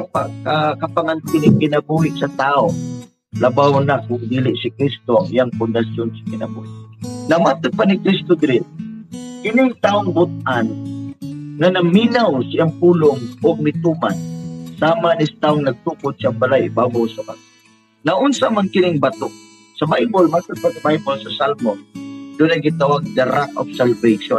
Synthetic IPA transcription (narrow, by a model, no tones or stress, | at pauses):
pakakapaŋant̪ɪnɪkɪnabuhɪʔsɐt̪aoŋ | lɐbawnak̚ʊɡd̪iːlɪʔsɪkɾist̪oaŋḭaŋpʊnd̪ɐsjonsɐ̥kɪna̰bṵhɪʔnɐmat̪ʊd̪̚panɪkɾist̪od̪ɪɾɪn̚kɪnɪŋt̪aːʊŋbʊt̪̚ʔan | ŋanɐminawsɪaŋpuːlʊŋʊɡ̚mɪt̪uːmansaːmanɪst̪aːʊŋnɐɡ̚t̪ukʊd̪̚siaŋbalajbabawsabat̪ʊ | naʔʊnsamankɪnɪŋbat̪ʊʔ | sɐbajbʊlmat̪ʊd̪̚pasɐbajbolsɐsalmond̪ʊnajɡɪt̪awaɡ̚d̪aɾako̰fsalvejʃon